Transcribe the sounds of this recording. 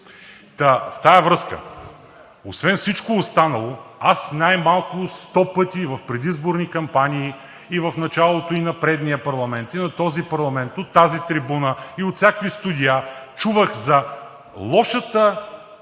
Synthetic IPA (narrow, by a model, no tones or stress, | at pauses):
t̪ɐft̪ajɐvɾɤskə̰ | osvɛnfsit͡ʃkoːst̪anɐlˠoasnajmalˠkʊst̪ɔpɤt̪ivɐfpɾɛd̪izboɾnikɐmpaniː | ivɐfnɐt͡ʃalˠot̪oinɐpɾɛd̪nijəpɐɾlˠɐmɛnt̪inɐt̪ɔzipɐɾlˠɐmɛnt̪ot̪ːazit̪ɾibunəiot̪sʲakvist̪ud̪ʲiat͡ʃuvəxzɐ | lˠɔʃət̪ə